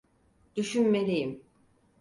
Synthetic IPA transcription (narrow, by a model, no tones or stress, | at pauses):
d̪̥yʃynmelʲejim